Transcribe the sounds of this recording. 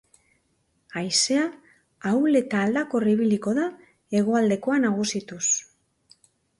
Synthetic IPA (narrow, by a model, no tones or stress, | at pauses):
ajse̞a | awle̞t̪aːld̪ako̞riβiliko̞ða | e̞ɣo̞ald̪e̞ko̞anaɣ̞usit̪us